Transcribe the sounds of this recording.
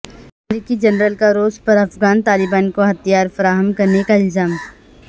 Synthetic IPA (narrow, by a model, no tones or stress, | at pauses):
ɐmɾiːkid͡ʒɐnɾəlkaɾoːzpɐɾɐfɡaːnt̪aːlɪbaːnkoɦɐt̪ijaːɾfɐɾaːɦəmkɐɾnekaɪlzaːmt̪ʰḁ